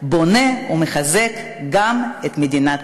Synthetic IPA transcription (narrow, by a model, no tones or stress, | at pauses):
bo̞ne̞umeχazek | ɡamet̪med̪inat